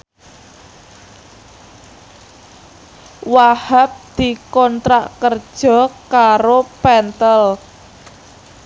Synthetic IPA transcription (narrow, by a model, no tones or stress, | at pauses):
wahap̚d̪̥i̤kɔnt̪ɾa̰ʔkərd̥ʒ̥ɔ̤kaɾopɛnt̪əl